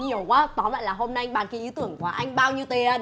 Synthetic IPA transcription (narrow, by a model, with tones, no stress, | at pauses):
ɲi˨˩əwkwaː˨˦t̪ɔ˨˦ma̰ː˧˨jlaː˨˩ɦo˧mna˧jɓaː˧nkaː˨˦ʔi˨˦t̪ɨ˧˩əŋku˧˨˩ʔa˧jŋ̟ɓaː˧wɲi˧wt̪e˨˩˧